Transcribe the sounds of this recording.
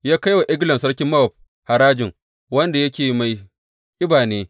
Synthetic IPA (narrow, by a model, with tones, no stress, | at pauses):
jaː˦ka˦jwa˨ʔɪ˦ɡlɐ˨msɐ˦ɽkʲɪ˦mːɐ˦wɐ˨p̚ | ha˨ɾaː˦d͡ʒɪ˨ŋ | wɐ˦nda˨jɐ˦kʲeː˨ma˨j | ʔɪ˦baː˨neː˦